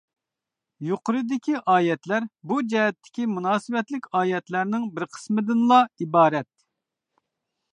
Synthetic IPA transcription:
joqʰʊɾɨd̪ɪkʲiʔɑːjɛt̪læɾbud͡ʒɛɦɛt̪ʰːɪ̥kʲimunɑːsɨwɛt̪lɪkʲɑːjɛt̪læɾnɪŋbɪɾqʰə̥smɪd̪ɪnlˠɑibɑːɾɛt̪̚

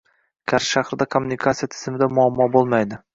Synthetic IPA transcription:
kʲʰaɾʃahɾɪd̪akʰomːʊnɪikʰat̪sijat̪ʰɪ̥z̥ɪmɪd̪amʊamːɒbolˠmajd̪ɪ

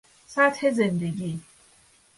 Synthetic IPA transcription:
sat̪hezend̪eɡiː

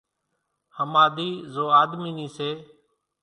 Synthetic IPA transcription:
həmaːd̪iːzoːaːd̪miːniːseː

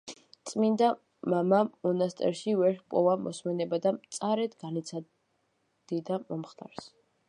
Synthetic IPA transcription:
t̪sʼmind̪a | mamamɔnast̪ʼɛ̰ɾʃivɛɾpʼɔvamʔɔ̰smɛnɛbad̪amt̪sʼaɾɛt̪ɡanit̪sʰa | d̪̥id̪amɔmχt̪ʰʼa̰ɾs

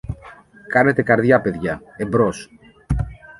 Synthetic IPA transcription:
kɐne̞t̪e̞kɐɾðʝɐpe̞ðʝɐembɾos

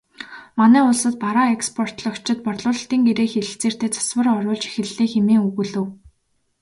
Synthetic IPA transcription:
manæːʊɮsə̆t̪̚paɾaːekspʰɔr̥t̪ɮɞ̆kt͡ɕʰɪ̆t̪̚pɔrɮʊːɮ̆ɬt̪iːŋɡeɾeːxeɮɘ̆ɬt͡seːr̥t̪eːt͡sʰḁswə̆rɔɾʊːɮt͡ɕi̥xɘ̆ɮːeːxemeːŋuɣɵ̆ɮɘ̆w

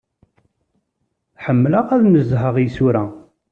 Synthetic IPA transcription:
ħəmːləʁæðnəzɦəʁjsuɾæ

